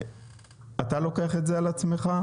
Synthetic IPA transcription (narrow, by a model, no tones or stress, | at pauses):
at̪alo̞keaχe̞tzealat͡sme̞χa